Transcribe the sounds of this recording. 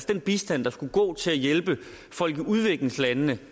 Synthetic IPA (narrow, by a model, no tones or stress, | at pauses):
sd̥enb̥isd̥æn̰d̥ɑ̈sɡ̥uɡ̥ɔ̰ːt͡sʰe̝læjelb̥ə | fɒ̽l̰ɡ̥iuð̞ˠʋe̝ɡ̥le̝ŋslænənə